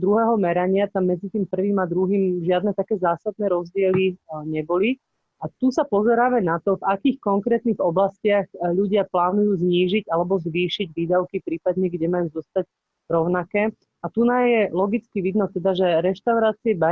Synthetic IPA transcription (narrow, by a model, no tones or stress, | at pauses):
d̪ɾuɦɛːɦɔmɛɾaɲɪat̪amːɛd͡zit̪iːmpr̩ʋiːmad̪ɾuɦiːmʒɪad̪nɛt̪akɛːzaːsad̪̚nɛːɾɔzɟɪɛliɲɛbɔli | at̪usapɔzɛɾaːʋanat̪ɔvakiːxkɔŋkɾɛːt̪niɣɔblascɪaxʎuɟɪaplaːnujuːzɲiːʒiɟalɛbɔzʋiːʃiɟʋiːd̪aʊkipɾiːpad̪ɲɛɡɟɛmajuːzɔst̪aɟ | ɾɔʊnakɛː | at̪unajɛlɔɡit͡skiʋid̪nɔt̪ɛd̪aʒɛɾɛʃt̪aʊɾaːt͡siɛba